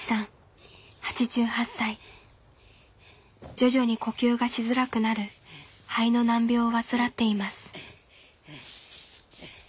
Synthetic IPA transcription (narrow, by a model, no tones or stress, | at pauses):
sãɴ̃ | hat͡ɕiʑɨːhasːai | d͡ʑo̞ʑo̞ɲ̟iko̞kʲɨːɡaɕizɨɾakɯ̟naɾɯ̟haino̞nãmbʲo̞ːβat͡sɨɾat̪ːe̞imasɨ̥